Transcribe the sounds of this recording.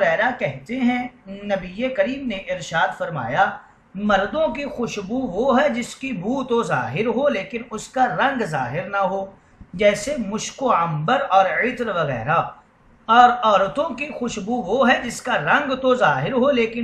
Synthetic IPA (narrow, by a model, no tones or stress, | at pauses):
ɣɛːɾakɛɦt̪eɦɛ̃nɐbiekɐɾiːmneʔɪɾʃaːd̪fɐɾma̰ːja | mɐɾd̪õk̬ixʊʃbuʋoɦɛd͡ʒɪskibʱuːt̪oza̰ːɦɪɾɦoleːkɪnʊskaɾɐ̃ŋɡzaːɦɪɾnaɦoː | d͡ʒɛːsemʊʃkoɐ̃mbəɾɔːɾɪt̪ɾʋɐɣɛ̰ːɾa | ɔːɾɔːɾt̪õkixʊʃbuʋoɦɛd͡ʒɪskaɾɐ̃ŋɡt̪ozaːɦɪɾɦoleːkɪn